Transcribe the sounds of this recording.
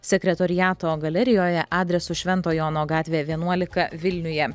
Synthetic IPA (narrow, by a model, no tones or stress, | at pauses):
sʲɛkʲɾʲɛt̪ɔɾʲɪjæːt̪oːɡɐlʲɛɾʲɪjoːjɛʔɑːd̪ʲɾʲɛsʊʃʲʋʲɛnt̪oːjoːnoːɡɑːt̪ʲʋʲeːʋʲiɛnuɔlʲɪkɐʋʲɪlʲnʲʊjɛ